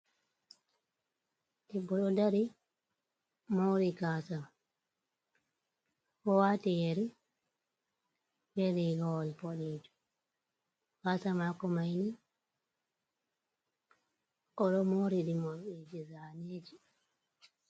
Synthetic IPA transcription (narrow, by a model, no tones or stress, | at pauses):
ɗibɔɗɔdaɾi | moɾikasam | kɔwatijeɾi | bɛɾiɡɔwɔlpɔɗed͡ʒu̥ | kasamakɔmajni | kɔɗɔmoɾiɗimɔɗed͡ʒizaned͡ʒi